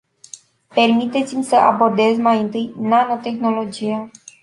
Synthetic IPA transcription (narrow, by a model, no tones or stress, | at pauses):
pe̞rmit̪e̞t̪simʲsəʔa̰bo̞rd̪e̞zmajɨnt̪ɨjnano̞t̪e̞xno̞lo̞d͡ʒija